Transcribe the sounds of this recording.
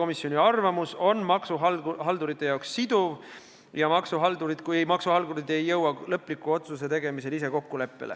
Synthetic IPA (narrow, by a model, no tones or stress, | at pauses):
o̞misjo̞nʲiɑrvɑmuso̞nmɑksuɦɑlhɑld̪uɾit̪ːˑe̞jɑˑoksːid̪̥uv | jɑmɑksuɦɑld̪uɾid̪̥kujmɑksuhɑlɡuɾid̪e̞jːɤwɑlɤpːˑlikːˑuo̞t̪suse̞t̪e̞ɡ̥e̞mise̞lise̞ko̞kːule̞pːelʔḛ